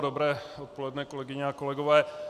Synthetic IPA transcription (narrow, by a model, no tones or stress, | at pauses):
dobɾɛːot̪̚polɛdnɛkolɛɡɪɲɛakolɛɡovɛː